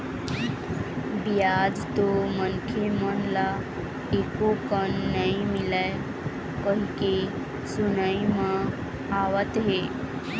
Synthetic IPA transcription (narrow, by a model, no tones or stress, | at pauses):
bijad͡ʒt̪omənkʰemənla | ekokənːəɦĩmɪla | kəɦike | sʊnəimã | aʋət̪ɦe